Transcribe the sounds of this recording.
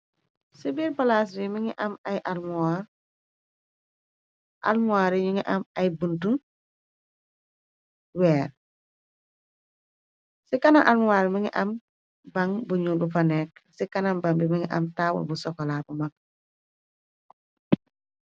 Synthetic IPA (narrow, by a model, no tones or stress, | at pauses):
sibiːɾbalaːs̬bimiŋiʔɐmɐjʔalmuwaɾ | ʔa̰lmuaɾiɲuŋiʔɐmɐjbuntu | wɛːɾ | sikɐnaŋʔalmuwaɾmiŋḭʔɐm | bɐŋbuɲubufɐnɛk̚sikanambambimiŋiʔɐ̰mtaːwṵlbusɔkɔlaːbumak̚